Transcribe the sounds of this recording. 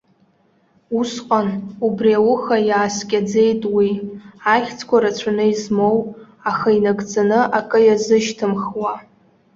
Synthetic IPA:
usqʼanubriawʊχajaːskʲʼad͡ze̞jtʼwiaχʲt͡sʰkʷaɾat͡ɕʷʰanɨizmow | aχainaɡʼd͡zanɨʔakʼɨjazɨʃtʰɨmχwa

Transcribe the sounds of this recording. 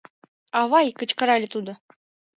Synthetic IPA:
ɑvɑjkə̆t͡ɕkɤ̆ɾɑlʲɪ̆t̪ud̪ɤ̆

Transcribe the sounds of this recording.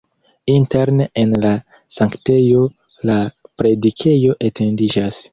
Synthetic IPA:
inte̞ɾnenla | saŋkte̞jo̞ | lapɾe̞dikʰe̞jo̞ʔetʰe̞ndid͡ʒas

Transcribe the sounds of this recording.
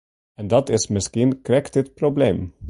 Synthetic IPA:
ɛ̃nd̪æt̪ɪsməskiːnkʰɾɛkt̪ɪt̪̚pʰɾʊblẽːm

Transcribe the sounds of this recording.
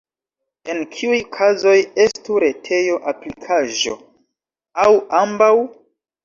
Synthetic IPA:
e̞nkʰiujkʰazo̞je̞stuɾe̞tʰe̞jo̞ʔaplikʰaʒo̞̰ | awambaw

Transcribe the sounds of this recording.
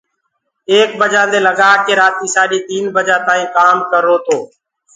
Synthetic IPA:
eːkbəd͡ʒãːd̪eːləɠaːkeːɾaːt̪iːsaːɗiːt̪iːnbəd͡ʒaːt̪aːĩːkaːmkəɾːoːt̪ʰoː

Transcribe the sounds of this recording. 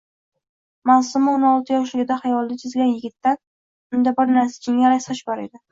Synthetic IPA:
masʊmɪonɒlˠt̪ʰɪjɒʃ̬lɪɡʲɪd̪aχajɒlˠd̪at͡ʃ̪ʰɪzɡʲanjɪɡʲɪt̪ːan | ʊnd̪abɪɾnaɾsḁt͡ʃʰɪŋʲaɾasaʃbɒɾḛd̪ɪ

